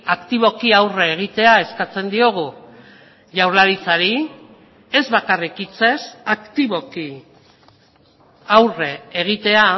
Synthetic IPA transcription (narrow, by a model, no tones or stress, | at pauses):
akt̪iβ̞o̞kiawre̞ːɣ̞it̪e̞ae̞skat͡se̞nd̪io̞ɣ̞u | ʝawɾlaɾit͡saɾi | e̞zβakarikit͡se̞sakt̪iβo̞ki | awre̞ːɣ̞it̪e̞a